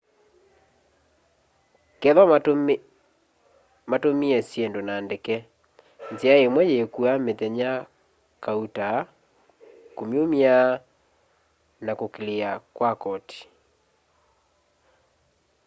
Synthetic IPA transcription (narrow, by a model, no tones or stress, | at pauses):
kɛðɔ | matomiɛsjɛndonaːndekɛ | nt͡seaemwɛjekuameðɛɲa | kauta | komjomija | nakokeleakwakɔti̥